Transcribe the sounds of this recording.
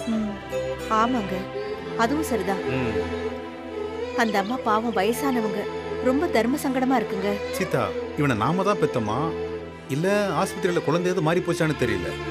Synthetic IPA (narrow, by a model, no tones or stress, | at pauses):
aːmaːŋɡɐ | ɐðɯʋʊ̃sɐɾit̪ãː | ɐnd̪ɐɐmːaːpaːʋɐ̃ʋɐjɐsaːnɐʋɐŋɡɐɾɔmbɐd̪ʱɐɾmɐsɐŋɡɐɽɐmaːɪɾɯkːɯŋɡɐt͡ʃit̪ːa̰ːɪʋɐnɐna̰ːmɐt̪ãːpɛt̪ːɐmːa̰ː | ɪlːɐɦaːspɪt̪ːɾɪɭlɐkʊɭɐnd̪ɐjaːðɯmaːd̪ɾipoːt͡ʃːaːnɯt̪ɛɾɪ̰jɪ̰lːɐ̰